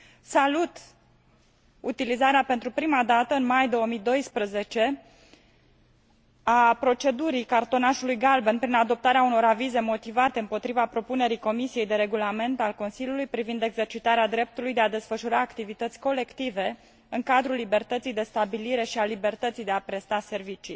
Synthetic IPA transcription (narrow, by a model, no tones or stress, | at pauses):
salut̪ | ut̪ilizaɾeape̞nt̪ɾupɾimad̪at̪əɨnmajd̪o̞woəmid̪o̞jspɾəze̞t͡ʃe̞ | apɾo̞t͡ʃe̞d̪uɾikart̪o̞naʃulujɡalbenpɾinad̪o̞p̚t̪aɾeauno̞ɾavize̞mo̞t̪ivat̪e̞ɨmpo̞t̪ɾivapɾo̞pune̞ɾiko̞misije̞jd̪eɾe̞ɡulame̞nt̪alko̞nsilʲjulujpɾivind̪e̞ɡze̞rt͡ʃit̪aɾead̪ɾe̞p̚t̪ulujd̪ead̪e̞sfəʃuɾaːkt̪ivit̪ət̪sʲko̞le̞kt̪ive̞ | ɨŋkad̪ɾulːibe̞rt̪ət̪sijd̪e̞st̪abiliɾe̞ʃialibe̞rt̪ət̪sijd̪eapɾe̞st̪ase̞rvit͡ʃi